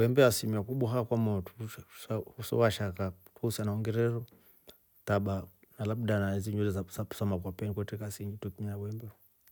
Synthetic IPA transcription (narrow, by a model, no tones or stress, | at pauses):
wɛmbɛasimiakuɓwaɦakwamɔtusausɔ̰waʃakatwuusanaɔŋɡɛɾɛɾɔ | taɓanalaɓdanaiziɲulɛzasau̥samakwapɛnikwɛtɛkasiɲd͡ʒitɛkimiawɛmbɛ